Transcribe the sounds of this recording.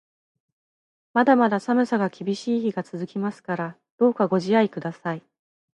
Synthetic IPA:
mad̪amad̪asamɯ̟saɡakʲibʲiɕiːçiɡat͡sɨzɨkʲimasɨ̥kaɾa | d̪̥o̞ːkaɡo̞ʑiaikɯ̟d̪asai

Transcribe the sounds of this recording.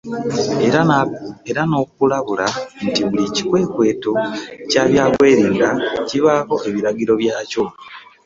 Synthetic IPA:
eɾano̞ːkkulaβulantiβulici̥kwe̞ːkwe̞ːto̞caːβjaːkwe̞ːɾiːŋdaciβaːko̞ʔe̞βiɾaɡiɾo̞βjaːco̞

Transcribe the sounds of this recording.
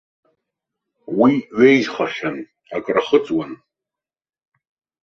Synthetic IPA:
wiɥejzχaʃan | akʼraχət͡sʼwan

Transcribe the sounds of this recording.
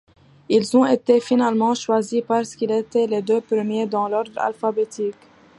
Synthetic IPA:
ilzɔ̃et̪efinalmɑ̃ʃwazipaʁsə̥kilet̪ɛled̪øpɾəmjed̪ɑ̃lɔʁd̪ʁa̰lfabet̪ik

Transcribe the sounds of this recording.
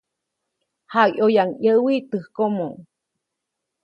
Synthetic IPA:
haʔojaŋjəwit̪ɨhkomoŋ

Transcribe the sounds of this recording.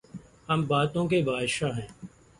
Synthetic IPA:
həmbaːt̪õːk̬eːbʱaːdʃaːɦɛ̃ː

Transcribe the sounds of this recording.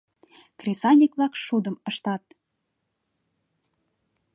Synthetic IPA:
krʲisɑnʲikβlɑkʃud̪ə̆məʃt̪ɑt̪̚

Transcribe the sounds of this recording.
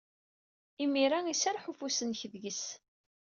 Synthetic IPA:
imiɾaisaɾˤħufusənçðʝəs

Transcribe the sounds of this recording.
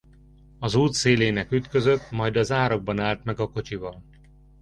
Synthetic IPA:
ɒzuːt̪seːleːnɛkyt̪kø̞zø̞t̪ːmɒjd̪ɒzaːɾoɡ̚bɒnaːlt̪mɛɡɒko̞t͡ʃivɒl

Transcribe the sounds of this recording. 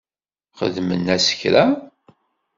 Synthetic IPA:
χə̰ðmənːæsə̥çɾæ

